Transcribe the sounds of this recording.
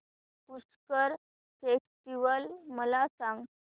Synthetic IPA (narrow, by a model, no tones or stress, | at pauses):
puskəɾ | fekʈiʋəlməlasãŋɡ